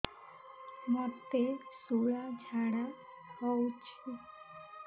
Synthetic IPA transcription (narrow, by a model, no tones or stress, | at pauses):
mɔt̪esuɭad͡ʒʱaɽa | ɦɔut͡ʃʰu